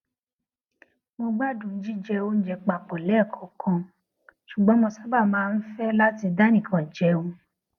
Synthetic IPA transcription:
mo˧ɡ͡ba˦dũ˨n̩˦d͡ʒi˦d͡ʒɛ˧˦o˦n̩˦d͡ʒɛ˧k͡pa˨k͡pɔ˨lɛ˦˨kʰɔ̃˨˦kʰã˧ | ʃu˨ɡ͡bɔ̃˦mõ˧sa˦ba˦˨mãː˨˦˧n̩˦fɛ˦la˦ti˧da˦nĩ˦˨kʰã˨d͡ʒɛ˨˦o˦˧

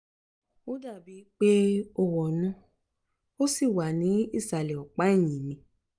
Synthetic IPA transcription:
o˦da˦˨bi˨˦k͡pe˦o˧wɔ˨nũ˦ | o˦si˦˨wa˨nĩ˨˦i˦˨sa˨lɛ˨ɔ˨k͡pa˨˦i˦˨j̃ĩ˨mĩ˧˦

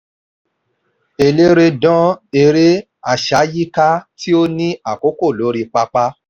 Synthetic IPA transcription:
e˨le˦ɾe˧dɔ̃˦e˨ɾe˦ | a˦˨ʃa˨˦ji˦ka˦tʰi˦o˦nĩ˦a˦˨ko˦ko˦˨lo˨˦ɾi˧k͡pa˧k͡pa˦

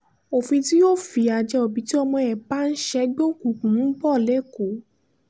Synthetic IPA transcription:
o˨fĩ˧ti˦jo˦˨fi˧a˧d͡ʒɛ˧ɔ˨bi˨˦ti˦ɔ˧mɔ̃˧ɛ˨ba˨˦n̩˦ʃɛ˦ɡ͡bo˦ku˨kũ˨˦bɔ˦˨lɛ˨˦ko˨˦

